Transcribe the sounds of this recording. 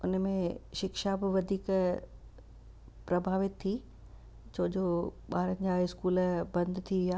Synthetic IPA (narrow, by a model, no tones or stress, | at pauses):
ʊnmẽʃɪkʃabɪʋɐd̪ʱiːk | pɾɐbʱaːʋɪt̪ʰːi | t͡ɕʰoːd͡ʑoɓaːɾənɪ̆d͡ʑaːɪskuːlbɐ̃nd̪ʱt̪ʰiʋɪjaː